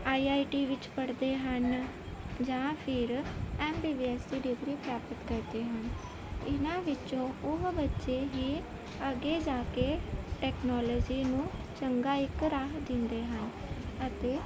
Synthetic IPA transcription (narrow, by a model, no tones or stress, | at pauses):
aːiːaːiʈiːʋɪt͡ʃpəɽd̪eːɦən | d͡ʒãːpʰɪɾɛːmbiːbiːɛːsd̪iːɖɪɡɾiːpɾaːpət̪kəɾd̪eːɦən | ɪnãːʋɪt͡ʃõːʊɦbətːʃeːɦiː | əɡeːd͡ʒaːkeːʈɛːknɔːlɔːd͡ʒiːnũːt͡ʃəŋɡaːɪkɾaːɦd̪ɪ̃nd̪eːɦənət̪eː